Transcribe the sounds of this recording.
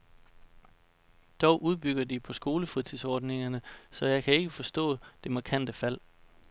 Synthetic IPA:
d̥ɒʊʔuð̞ˠb̥yɡ̥ɐd̥ipʰɒ̽sɡ̥o̝ːləfʁit͡sʰiðˠsɒːd̥ne̝ŋɐnəsɒ̽jɑ̈ɪkʰæe̝ɡ̥əfɒ̽sd̥ɔ̰̽ːd̥e̝mɑ̈ːkʰæn̰d̥əfæl̰

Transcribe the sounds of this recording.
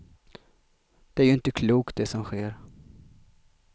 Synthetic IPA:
d̪̥ɛæɾjɵɪnt̪əkʰluːkt̪̚d̪ɛsɔmɧeːɾ

